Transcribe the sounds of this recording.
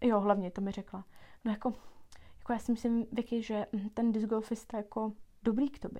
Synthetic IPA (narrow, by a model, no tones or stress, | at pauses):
joɦlavɲɛt̪o̞mɪrɛklanojako̞jḁkojaːsɪmɪslɪmvjɛkɪʒɛm̩t̪ɛndɪzɡolfɪst̪ajako̞do̞bɾiːkt̪obɛ